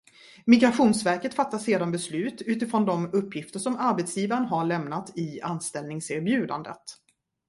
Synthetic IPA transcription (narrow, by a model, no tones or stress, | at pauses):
mɪɡɾaɧuːnsvæɾkət̪fat̪ːaseːd̪anbɛslʉ̟ːt̪ʉ̟ːt̪ɪfɾɔnd̪ɔmɵpʰːjɪft̪əʂɔmaɾbɛt̪sjiːvaɾənɦaɭɛmnat̪ɪanst̪ɛlnɪŋseːɾbjʉ̟ːd̪a̰nd̪ə̰t̪